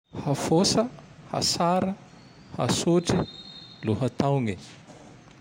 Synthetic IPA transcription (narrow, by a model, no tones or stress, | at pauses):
hafosəha̰saɾə | ha̰suʈ͡ʂiluɦət̪awŋi